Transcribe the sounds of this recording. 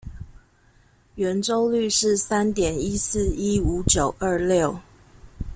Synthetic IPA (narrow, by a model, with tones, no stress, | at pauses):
ɥɛ˨˧˥nʈ͡ʂo˦ʊly˥˧ʂɻ̩˥˨sa˦nt̪jɛ˨˩ni˦˥sɹ̩˥˩˨i˦˥u˨˧˥t͡ɕjo˨˩ʊʔə˞˥˧ljo˥˨ʊ